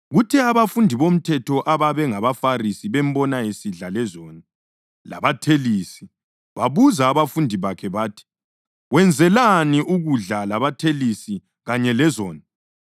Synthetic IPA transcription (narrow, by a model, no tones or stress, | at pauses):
ɣutʰɛaβafundʱiβom̩tʰɛtʰɔʔaβaβɛŋaβafarisiβɛm̩bɔnajesiɮalɛzɔːna | la̰βatʰeliːsi̥ | βaβuzaːβafundʱiβakʰɛβaːtʰi̥ | ɣwɛnd͡zʱɛlaniʔuɣuɮalaβatʰelisi | ɣaɲɛlɛzɔːna